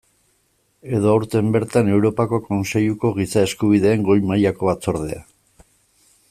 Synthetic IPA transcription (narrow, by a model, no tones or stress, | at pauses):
e̞ðo̞awɾt̪e̞mbe̞ɾt̪ane̞wɾo̞pako̞ko̞nse̞ʎuko̞ɣisae̞skuβ̞iðe̞ːŋɡo̞jmajako̞βat͡so̞ɾð̞e̞̰a